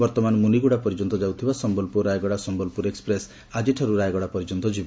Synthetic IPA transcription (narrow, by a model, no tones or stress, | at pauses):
bɔɾt̪ɔmanmuniɡuɽapɔɾid͡ʒɔnt̪ɔd͡ʒawt̪ʰibasɔmbɔlpuɾajɡɔɽasɔmbɔlpuɾekspɾes | ad͡ʒiʈʰɔɾuɾajɡɔɽapɔɾid͡ʒɔnt̪ɔd͡ʒib